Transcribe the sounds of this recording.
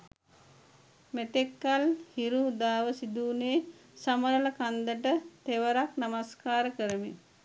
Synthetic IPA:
met̪ekːalhiɾuːd̪aːʋəsid̪uːneːsaməɾələkand̪əʈət̪eʋəɾaknamaskaːɾəkəɾəmi

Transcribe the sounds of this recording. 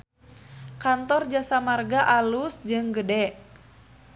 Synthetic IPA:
kant̪ɔrd͡ʒasamarɡaʔalusd͡ʒɨŋɡədɛʔ

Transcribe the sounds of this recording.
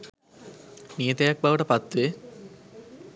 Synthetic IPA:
miət̪ejak̚baʋəʈəpat̪ːʋe

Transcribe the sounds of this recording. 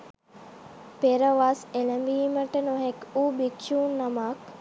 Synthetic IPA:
peɾəʋaːseləmbiːməʈənoɦekuːbikʃuːnːɐmak

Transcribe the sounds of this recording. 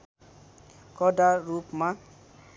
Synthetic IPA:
kɔdaɾupmã

